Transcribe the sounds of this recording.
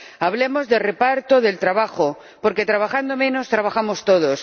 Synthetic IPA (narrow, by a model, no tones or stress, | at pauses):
aβlemozðe̞repaɾt̪oðe̞lt̪ɾaβaxo | poɾket̪ɾaβ̞axand̪omẽnost̪ɾaβaxamost̪oð̞os